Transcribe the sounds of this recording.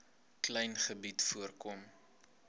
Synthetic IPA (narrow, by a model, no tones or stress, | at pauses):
klɛjnχəbitfuərkɔm